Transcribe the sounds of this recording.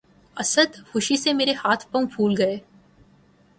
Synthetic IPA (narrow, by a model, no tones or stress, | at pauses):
ɐsəd̪hʊʃisemeːɾehaːt̪ʰpɐũbʰʱuːlɡɐeː